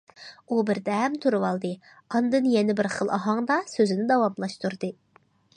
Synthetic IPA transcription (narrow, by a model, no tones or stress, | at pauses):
ubɪɾd̪ɛmt̪ʰuɾuwɑlˠd̪ɨ | ɑnd̪ɨnjɛnɪbɪɾχəlˠʔɑɦɑŋd̪ɑsøzɪnɪd̪ɑwɑmlˠɑʃt̪uɾd̪ɨ